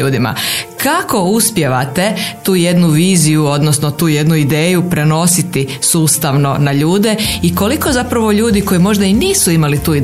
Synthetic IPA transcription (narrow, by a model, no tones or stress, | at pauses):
uːd̪ima̰kako̞uspje̞ʋat̪e̞t̪uːje̞d̪nuʋiːzijuo̞d̪nosno̞t̪uːje̞d̪nuid̪eːjupɾe̞no̞sit̪isuːst̪aʋno̞naʎuːd̪e̞iko̞liko̞zapɾaʋo̞ʎuːd̪iko̞jimo̞ʒd̪ainiːsuimalit̪uːi